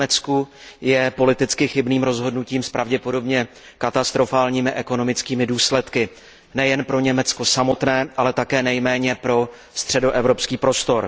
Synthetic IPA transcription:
ɛt͡sku | jɛpo̞lɪt̪ɪt͡skɪxɪbniːmɾo̞zɦo̞dnuciːmspɾʔavɟɛpo̞do̞bɲɛ | kat̪ast̪ɾo̞faːlɲiːmɪʔɛko̞no̞mɪt͡skiːmɪduːslɛt̪kɪ | nɛjɛnpɾo̞ɲɛmɛt͡sko̞samo̞t̪nɛːʔalɛt̪akɛːnɛjmɛːɲɛpɾo̞ | st̪r̝̥ɛdo̞ʔɛvɾo̞pskiːpɾo̞st̪o̞ɾ

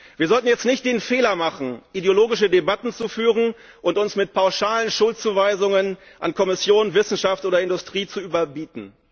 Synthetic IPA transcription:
v̥iːɐzɔltn̩jɛt͡stnɪçt̚d̥eːnfeːlɐmaχn̩ʔideoloːɡɪʃədebatn̩t͡sufyːʁən | ʔʊntʊnsmɪt̚pʰaʊʃaːlənʃʊlt̚t͡suːvaɪzʊŋən | ʔa̰nkʰɔmɪsjoːnvɪsn̩ʃaftʔoːdɐɪndʊstʁ̥iːt͡suyːbɐbiːtn̩

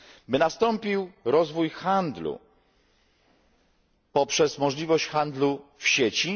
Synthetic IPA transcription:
bɘnast̪ɔmpʲiwɾɔzvujxand̪lṵ | pɔpʂɛsmɔʐlʲivɔɕt͡ɕxand̪lufɕet͡ɕi

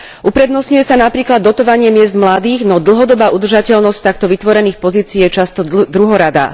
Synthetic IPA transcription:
ʔupɾɛd̪nɔsɲujɛsanapɾiːklad̪ːɔt̪ɔʋaɲɪɛmɪɛzd̪mlad̪iːɣnɔd̪l̩ˠɦɔd̪ɔbaːʔud̪r̩ʒacɛʎnɔsc̚t̪akt̪ɔʋit̪ʋɔɾɛniːxpɔziːt͡siiːjɛt͡ʃast̪ɔd̪ɾuɦɔɾad̪a̰

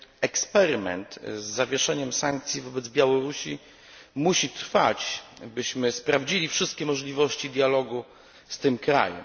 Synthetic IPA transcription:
ɛkspɛɾmɛ̰nt̪zːavʲjɛʂɛɲɛmsaŋk̚t̪sʲjivɔbɛd̪zbʲjawɔɾuɕi | muɕit̪ɾfat͡ɕbɘɕmɘspɾavd͡ʑilʲifʂɘst̪̚kʲɛmɔʐlʲivɔɕt͡ɕid̪ʲjalɔɡu | st̪ɘmkɾa̰jɛ̰m

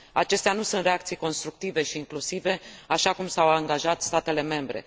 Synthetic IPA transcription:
at͡ʃe̞st̪eanusunt̪ɾe̞ak̚t̪sijko̞nst̪ɾuk̚t̪ive̞ʃiːŋklusive̞aʃakumsawaŋɡaʒat̪st̪at̪e̞le̞me̞mbɾe̞̰

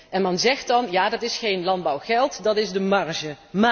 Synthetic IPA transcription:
ɛnmɑnzɛχtɑnjaːdɑtɪsχejnlɑnd̚bɑwχɛlˠtdɑtɪzdəmɑɹʒə | ma

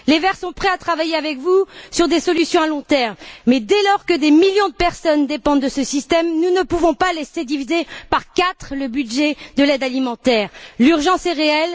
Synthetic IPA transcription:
levɛʁsɔ̃pχɛat̪χavajeavɛkvusyʁd̪esɔlysjɔ̃alɔ̃t̪ɛʁmːɛd̪elɔʁkəd̪emiljɔ̃d̪əpɛʁsɔnd̪epɑ̃d̪d̪əsəsist̪ɛmnunəpuvɔ̃palɛsed̪ivizepaʁkat̪χləbyd̪ʒɛd̪əlɛd̪alimɑ̃t̪ɛːʁlyʁʒɑ̃sɛʁeɛl

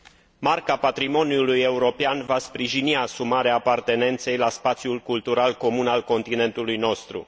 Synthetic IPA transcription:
markapat̪ɾimo̞niuluje̞uɾo̞peanvaspɾiʒiniasumaɾeaːpart̪e̞ne̞nt̪se̞jlaspat̪sjulkult̪uɾalko̞munalko̞nt̪ine̞nt̪ulujno̞st̪ɾṵ

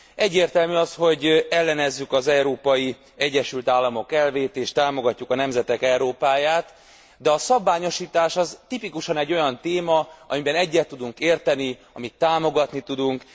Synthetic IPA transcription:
ɛɟːeːrt̪ɛlmyːɒsho̞ɟɛlːɛnɛzːykɒzɛuɾoːpɒji | ɛɟːɛʃylt̪aːlːɒmo̞kɛlveːt̪eːʃt̪aːmo̞ɡɒcːukɒnɛmzɛt̪ɛkɛwɾoːpaːjaːt̪ | d̪ɛɒsɒbːaːɲo̞ʃiːt̪aːʃɒzt̪ipikuʃɒnɛɟːojɒnt̪eːmɒɒmibɛnɛɟːɛt̪ːud̪uŋkeːrt̪ɛni | ɒmit̪ːaːmo̞ɡɒt̪nit̪ud̪uŋk

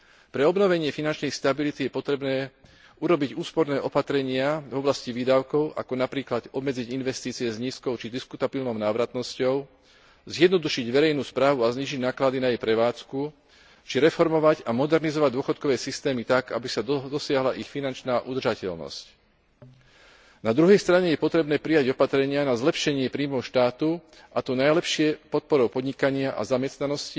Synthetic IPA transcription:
pɾɛɔbnɔʋɛɲɪɛfinant͡ʃnɛjst̪abilit̪ijɛpɔt̪ɾɛbnɛː | uɾɔbiɟuːspɔɾnɛːʔɔpat̪ɾɛɲɪavɔblasciʋiːd̪aʊkɔʊʔa̰kɔnapɾiːklad̪ɔbmɛd͡ziɟinʋɛst̪iːt͡siɛzɲiːskɔʊt͡ʃid̪iskut̪abiːlnɔʊnaːʋɾat̪nɔscɔʊ | zjɛd̪nɔd̪uʃiɟʋɛɾɛjnuːspɾaːʋuazɲiːʒiɟnaːklad̪inajɛjpɾɛʋaːt͡sku | t͡ʃiɾɛfɔɾmɔʋaɟamɔd̪ɛɾnizɔʋaɟd̪ʊɔxɔt̪̚kɔʋɛːsist̪ɛːmit̪aɡa̰bisad̪ɔsɪaɦlaʔixfinant͡ʃnaːʔud̪rʒacɛlnɔ̰sc | nad̪ɾuɦɛjst̪ɾaɲɛjɛpɔt̪ɾɛbnɛːpɾijaɟɔpat̪ɾɛɲɪanazlɛpʃɛɲɪɛpɾiːmɔʊʃt̪aːt̪u | ʔat̪ɔnajlɛpʃɪɛpɔt̪̚pɔɾɔʊpɔd̪ɲikaɲɪaʔa̰zamɛst̪nanɔsci

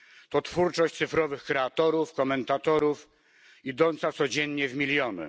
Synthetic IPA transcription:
t̪ɔt̪fuɾt͡ʂɔɕt͡ɕt̪sɘfɾɔvɘxkɾɛat̪ɔɾufkɔmɛnt̪at̪ɔɾuf | id̪ɔnt̪sat̪sɔd͡ʑɛɲːɲɛvmʲilʲjɔnɘ̰

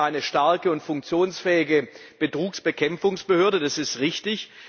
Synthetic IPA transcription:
ʔaɪnəʃtaɐkəʊntfʊŋk̚t͡sjoːnsfɛːɪɡəb̥ətʁ̥uːksb̥əkʰɛmfʊŋsb̥əhøːɐdədasɪstʁɪçtɪç

